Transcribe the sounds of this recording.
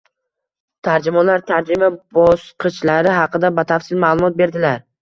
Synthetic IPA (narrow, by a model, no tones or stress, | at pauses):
t̪ʰaɾd͡ʒɪmɒnlaɾt̪ʰaɾd͡ʒɪmabɒsqʰɨt͡ʃlaɾɪɦɑqɨd̪abat̪ʰafsɪlmaːlˠʊmɒt̪̚be̞ɾd̪ɪlaɾ